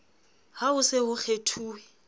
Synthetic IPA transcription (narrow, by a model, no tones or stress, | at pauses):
haʊsɪɦʊk͡xʰetʰuːwɛ